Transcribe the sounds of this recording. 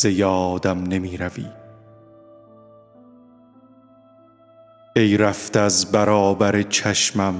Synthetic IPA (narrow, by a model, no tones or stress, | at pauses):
ejɒːd̪æmne̞miːɾævḭ̥ː | ejɾæft̪eæzbæɾɒːbæɾet͡ʃʰæʃmæm